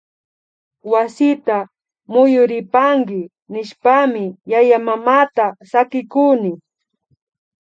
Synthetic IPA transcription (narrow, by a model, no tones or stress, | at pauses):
wasɪt̪a | mʊjʊɾɪpaŋɡɪ | nɪʃpamɪjajamamaːt̪asakɪkunɪ